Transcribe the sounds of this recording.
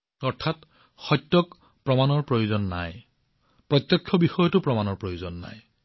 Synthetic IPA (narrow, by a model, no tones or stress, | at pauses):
ɔɹtʰat | xɔjtːjɔk | pɹɔmanɔɹpɹojuzɔnːa̰j | pɹɔt̪jɔkʰːɔbixɔjɔtʊpɹɔmanɔɹpɹojuzɔnːa̰j